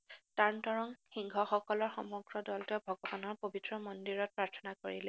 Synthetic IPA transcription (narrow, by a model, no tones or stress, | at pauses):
taɹntɔɹɔŋxiŋɡʱɔxɔkɔlɔɹxɔmɔɡɹɔdɔltɔbʱɔɡɔbanɔɹpobitɹɔmɔndiɹɔt̚pɹaɹtʰɔ̥nakoɹilɛ